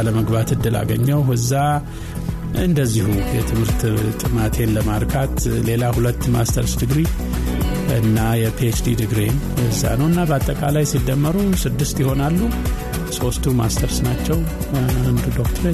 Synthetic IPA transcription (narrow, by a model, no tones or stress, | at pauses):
aləməɡbat̪ɨd̪ːɨla̰ɡəɲːəwhɨzːa | ɨ̰nd̪əzːihujɛt̪ʰɨmhɨɾt̪t̪ʼɨmat̪ʰe̞nləmaɾkʰat̪le̞lahulət̪ːma̰st̪ʰəɾsd̪ɨɡɾi | ɨnːajɛpʰet͡ʃd̪id̪ɨɡɾen | ɨzːa̰nəwɨnːabəat̪ʼːəkʼalajsid̪ːəmːəɾusɨd̪ːɨst̪jɪho̞nalːu | so̞st̪ʰumast̪ʰəɾsnat͡ʃːɛw | and̪ud̪okt̪ʰɾ